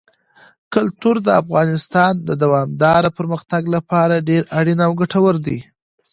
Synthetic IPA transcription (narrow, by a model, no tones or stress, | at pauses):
kʊlt̪uɾd̪əafɣɑnɪst̪ɑnd̪əd̪awɑmd̪ɑɾapəɾməxt̪aɡlapɑɾaɖeɾaɽinawɡaʈawəɾd̪i